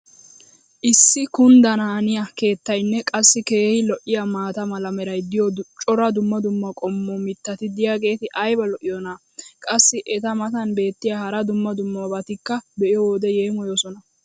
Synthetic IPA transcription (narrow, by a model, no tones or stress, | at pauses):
ʔɪsːɪkʊnd̪ɐnaːnɪjɐke̞ːt̪ːɐjnːɛkʼɐsːɪke̞ːhɪlɔʔɪjamaːt̪ɐmɐlɐmɛɾɐjd̪ɪjɔt͡ʃʼɔɾɐd̪ʊmːɐd̪ʊmːɐkʼɔmːɔmɪt̪ːɐt̪ɪd̪ɪjaɡe̞ːt̪ɪʔɐjbɐlɔʔɪjɔna | kʼɐsːɪʔɛt̪ɐmɐt̪ɐnbe̞ːt̪ːɪjahɐɾɐd̪ʊmːɐd̪ʊmːɐbɐt̪ɪkːɐbɛʔɪjɔwoːd̪ɛje̞ːmɔjɔsɔnɐ